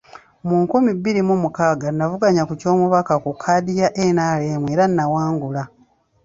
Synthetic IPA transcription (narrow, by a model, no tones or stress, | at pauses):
muŋkumibːiɾimumukaːɡanːavuɡaɲakuco̞ːmuβakakukʰːadijaʔenaːleːmwe̞ːɾanːawaːŋɡula